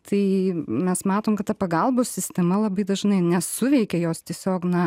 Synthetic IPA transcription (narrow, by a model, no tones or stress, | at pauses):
t̪ʰɐɪmʲɛsmɑːt̪oːmkɐt̪ɐpɐɡɐlˠboːsʲsʲɪsʲt̪ʲɛmɐlˠɐbɐɪd̪ɐʒnɐɪnʲɛsʊʋʲɛɪkʲɛjoːst̪ʲiɛsʲoːknɐ